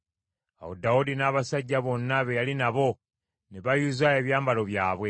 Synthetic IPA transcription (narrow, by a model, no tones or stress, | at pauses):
a̰wo̰daudinaːβasaɟːaβo̞nːaβe̞jalinaβo̞ | neβajuzaeːβjaːmbalo̞βjaːβwe̞